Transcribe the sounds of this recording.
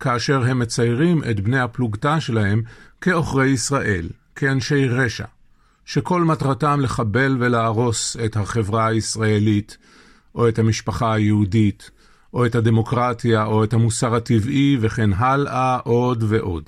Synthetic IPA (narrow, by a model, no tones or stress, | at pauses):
kaːʃe̞ʁɦe̞mːe̞t͡sajʁimʔe̞tbnejhapluɡtaʃe̞laɦe̞mke̞o̞χʁe̞jisʁaʔe̞l | kʰeanʃe̞jʁe̞ʃa̰ | ʃe̞ko̞lmatʁatamle̞χabe̞lve̞laːʁo̞se̞thaχe̞vʁaaisʁae̞lit | ʔo̞ethamiʃpaχaajeudit | ʔo̞ethade̞mo̞kʁatjaʔo̞ethamusaʁativʔive̞χe̞nɦalʔaʔo̞dve̞ʔo̞d